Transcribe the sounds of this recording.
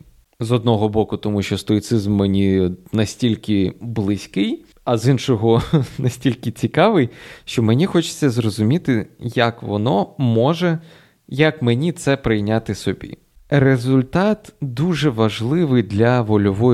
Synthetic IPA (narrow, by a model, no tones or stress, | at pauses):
zɔd̪̚nɔɦɔbɔkʊt̪ɔmuʃt͡ʃɔst̪ɔit̪sɪzmːenʲinɐsʲtʲilʲkɪblˠɪsʲkɪj | ɐzinʃɔɦɔnɐsʲtʲilʲkɪt͡sʲikɑʋɪjʃt͡ʃɔmenʲixɔt͡ʃɪ̥t͡sʲːɐzɾɔzʊmʲit̪ɪjɐkʋɔ̰nɔmɔʒɛ | jɐkmenʲit̪sɛpɾɪjnʲat̪ɪsɔbʲḭ | rezʊlʲt̪ɑt̪d̪uʒɛʋɐʒlˠɪʋɪjd̪lʲɐʋɔlʲɔʋɔj